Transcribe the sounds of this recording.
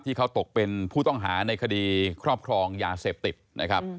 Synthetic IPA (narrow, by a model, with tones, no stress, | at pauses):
t̪ʰːiː˥˩kʰa˦˥wt̪o˨˩k̚pe˧npʰuː˥˩t̪ɔ˥˩ŋɦa̰ː˩˦na˧jkʰa˧diː˧kʰɾɔː˥˩p̚kʰɾɔː˧ŋjaː˧seː˨˩p̚t̪i˨˩t̪̚nʔa˦˥kʰa˦˥p̚